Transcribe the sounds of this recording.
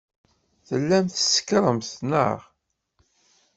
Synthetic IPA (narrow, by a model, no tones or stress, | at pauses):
θəlːæmθə̥sə̥kɾˤəmθnə̰ʁ